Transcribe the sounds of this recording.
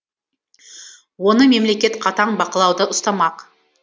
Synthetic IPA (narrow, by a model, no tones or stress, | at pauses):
wo̞nəme̞mle̞kʲe̞t̪qʰɑt̪ɑɴbɑqəlˠɑwd̪əʔʊst̪ɑmɑq